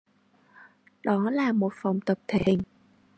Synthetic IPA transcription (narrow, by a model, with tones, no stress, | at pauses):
ɗɔ˨˦laː˨˩mo˨˩t̚fa˨˩wŋ͡mt̪ə˨˩p̚t̪ʰe˧˨˩n